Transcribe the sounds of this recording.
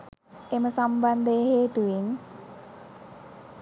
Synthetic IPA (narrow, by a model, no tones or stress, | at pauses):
ʔeməsamband̪eɦed̪̥uwɪŋ